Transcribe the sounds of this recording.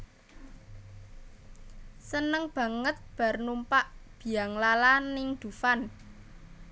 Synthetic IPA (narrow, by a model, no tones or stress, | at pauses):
sənəŋb̥ä̤ŋət̪̚b̥a̤rnumpaʔb̥i̤aŋlalanɪŋd̪̥ufan